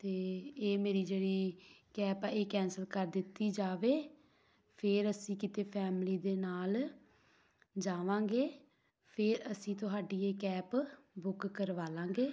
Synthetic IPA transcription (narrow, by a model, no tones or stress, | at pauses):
t̪eːeːmeːɾiːd͡ʒeːɽiːkɛːpaːeːkɛ̃ːnsəlkəɾd̪ɪt̪ːiːd͡ʒaːʋeː | pʰɪɾəsĩːkɪt̪eːpʰɛːmliːd̪eːnaːl | d͡ʒaːʋãːŋɡeː | pʰɪɾəsĩːt̪ʊɦaːɖiːeːkɛːp | bʊkkːəɾʋaːlãːŋɡeː